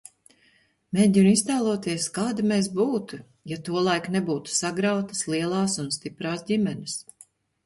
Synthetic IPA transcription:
meːɟinist̪aːlˠuɔt̪iɛskaːd̪imeːs̬buːt̪u | jat̪uɔlˠajknɛbuːt̪u̥saɡɾawt̪ḁslˠiɛlˠɑːsunst̪ipɾaːsdʲimʲɛnɪs

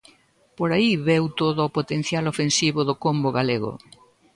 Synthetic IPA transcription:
poɾaiβewt̪oðʊɔpot̪en̟θjalofensiβʊðʊkomboɣaleɣʊ̰

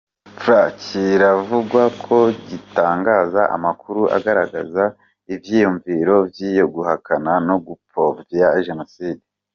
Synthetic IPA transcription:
fɾaciɾavuɡwakʰo̞ɟitaːŋɡaːzaʔa̰makuɾuʔa̰ɡaɾaɡa̰za | ivjiːjuɱviːɾo̞bjiːjo̞ɡuhakanano̞ɡupo̞vvjaʒe̞no̞siːde

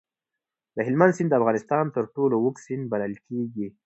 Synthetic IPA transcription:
d̪̥əɦɪlmand̪sɪnd̪d̪əafɣɑnɪst̪ɑnt̪əɾʈolowʊksɪnd̪̚baləlkʰeɡi

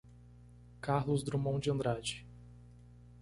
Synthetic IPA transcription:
kaɾlʊzd̪ɾumɐ̃w̃d͡ʒɪɐ̃nd̪ɾad͡ʒɪ

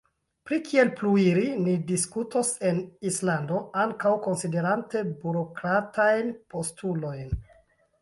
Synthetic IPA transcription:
pɾikʰie̞lpluiɾinidiskutose̞nislando̞aŋkawko̞nside̞ɾante̞buɾo̞kɾatʰajnpo̞stulo̞jn

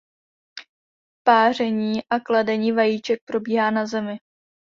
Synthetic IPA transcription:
paːr̝ɛɲiːʔakladɛɲiːvajiːt͡ʃɛk̚pɾo̞biːɦaːnazɛmɪ

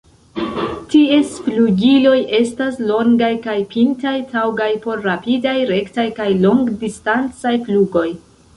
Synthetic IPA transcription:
tiesfluɡilo̞jʔe̞staslo̞ŋɡajkajpʰintajtʰawɡajpo̞ɾːapidajɾe̞ktajkajlo̞ŋɡdistant͡sajpluɡo̞j

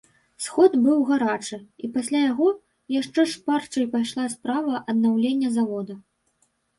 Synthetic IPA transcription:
sxɔd̪bɨwɣaɾat͡ʂɨipasʲlʲajaɣɔ | jaʂt͡ʂɛʂpart͡ʂɐjpajʂlˠaspɾavɐʔɐd̪nawlʲenʲːɐzavɔd̪ɐ

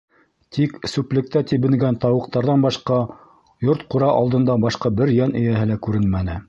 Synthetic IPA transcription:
t̪ʰiksʉplɘ̆k̚t̪æt̪ibɘ̆ŋɡænt̪ɑwɤ̆q̚t̪ɑɾðɑnbɑʃqɑ | joɾt̪quɾɑʔɑlˠd̪ɤ̆nd̪ɑbɑʃqɑbɘɾjænɘ̆jæɦɘlækʉɾɘnmænɘ

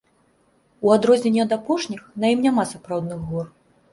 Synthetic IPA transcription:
uad̪ɾɔzʲnʲɛnʲːɛɐd̪apɔʂnʲixnɐjimnʲamasapɾawd̪nɨɣɣɔr

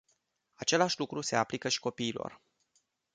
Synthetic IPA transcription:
at͡ʃe̞laʃʲlukɾuse̞aplikəʃi̥ko̞piːlo̞̰r

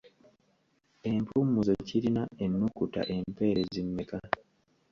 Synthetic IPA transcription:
e̞mpumuzociɾinaenːukuta̰ʔe̞mpe̞ːɾezimːeka

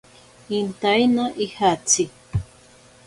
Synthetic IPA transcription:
int̪ajnaʔihat͡si

